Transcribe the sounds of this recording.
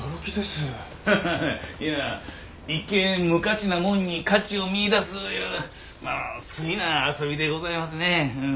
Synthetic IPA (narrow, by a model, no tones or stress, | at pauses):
oɾokʲid̪e̞sɨ | jaː | ikːẽmɯ̟kat͡ɕinamõ̞ɲ̟ːikat͡ɕio̞mʲiːd̪asɨjɯ | ma̰ːsɨɡʲinaːso̞bʲid̪e̞ɡo̞zaimas̬ɨne̞ɯ̃